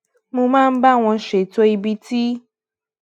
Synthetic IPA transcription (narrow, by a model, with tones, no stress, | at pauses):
mũ˦mã˦m̩˦ba˦w̃ɔ̃˨ʃe˨t̪o˦i˨bi˦t̪i˦